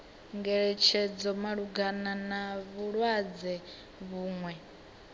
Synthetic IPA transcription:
ŋɡɛɺɛt͡ʃʰɛd͡zɔmaɺuɡananaβuɺwad͡zɛ | βuːŋwɛ

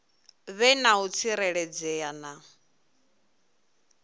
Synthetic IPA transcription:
βɛnaut͡sʰiɾɛɺɛd͡zɛana

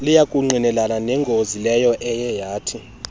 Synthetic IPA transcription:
lijakʼuŋ͡ǀʱinɛlananɛŋɡʱozilɛjɔʔɛjɛjaːtʰi

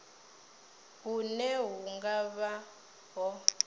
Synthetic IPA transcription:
ɦunɛɦuŋɡaβa | ɦɔ

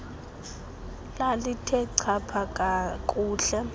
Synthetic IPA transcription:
lalitʰɛǀʰapʰakʼakʼuːɬɛ

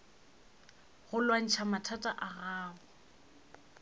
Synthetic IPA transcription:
ɣʊlwan̩t͡ʃʰamatʰatʼaʔaɣaːɣʊ

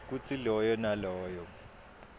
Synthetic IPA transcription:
k̬ut͡sʰilɔjɔnalɔːjɔ

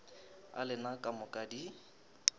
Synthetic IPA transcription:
a̰lɪnakʼamʊkʼadi

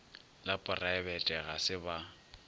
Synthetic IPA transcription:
lapʼʊraɪbɛtʼɛɣasɪba

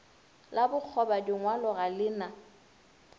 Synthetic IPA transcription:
labʊk͡xʰɔbadɪŋwalɔɣalɪna

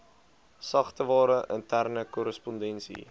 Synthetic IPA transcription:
sɐχtəvɑːɾəʔəntærnəkɔɾəspɔndɛnsḭ

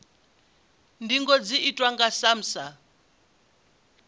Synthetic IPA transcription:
ndiŋɡɔd͡ziitʼwaŋɡasam̩sa

